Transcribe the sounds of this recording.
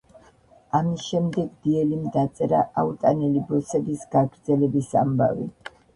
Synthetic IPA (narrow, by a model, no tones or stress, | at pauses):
amisʃɛmd̪ɛɡd̪iɛlimd̪at̪sʼɛɾaʔaut̪ʼanɛlibɔsɛbisɡaɡɾd̪zɛlɛbisa̰mba̰vi